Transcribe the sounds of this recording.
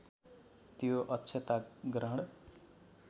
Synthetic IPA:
t̪joʔʌtːt͡sʰet̪aɡrʌɦɽ

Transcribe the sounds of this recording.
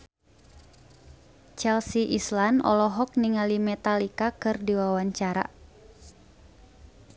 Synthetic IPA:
t͡ʃɛlsiʔislanɔ̰lɔɦɔk̚niŋalimɛt̪alikakɨrdiwawaɲt͡ʃaɾa̰

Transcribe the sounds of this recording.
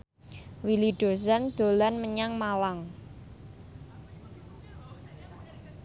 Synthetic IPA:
wiliɖ̥o̤sand̪̥o̤lanməɲaŋmalaŋ

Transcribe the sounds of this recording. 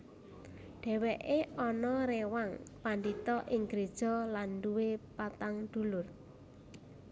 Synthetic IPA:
ɖ̥ɛ̤wɛʔeɔnɔɾewaŋpandit̪ɔʔɪŋɡɾed̥ʒ̥ɔ̤lanɖuwepat̪aŋd̪̥ṳlʊr

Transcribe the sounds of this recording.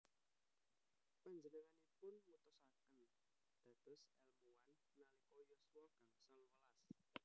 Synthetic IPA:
paɲd͡ʒənəŋanipʊnmut̪usakən | d̪̥a̤t̪ʊsɛlmuwanːalikɔjɔsuwɔɡ̥aŋsalwalas

